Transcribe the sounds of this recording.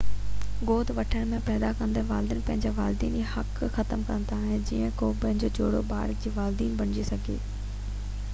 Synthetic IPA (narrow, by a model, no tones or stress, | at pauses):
ɡoːd̪ʋɐʈʰəɽ̃mẽpɛːd̪akɐ̃nd̪əʋaːld̪ɪnɪpɐ̃ɦɪ̃ɲd͡ʑaʋaːld̪iːnd͡ʑihɐkxɐt̪əmkɐ̰̃nt̪aːɦẽd͡ʑiːə̃koːpɐ̃ɦɪ̃ɲd͡ʑot͡ɕoːɽoba̰ːɾd͡ʑiːʋaːld̪iːnbɐɽ̃ɪd͡ʑisɐɡʱḛː